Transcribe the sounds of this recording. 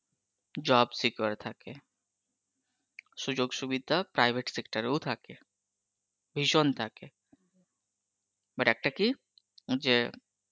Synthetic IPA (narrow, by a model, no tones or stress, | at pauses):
d͡ʒaːbsikʋəɾt̪ʰake | sud͡ʒoːɡsuʋid̪ʱapɾaːɪʋeʈsekʈəɾut̪ʰake | bʱiʃont̪ʰake | bəɖak̚ʈəki | d͡ʒe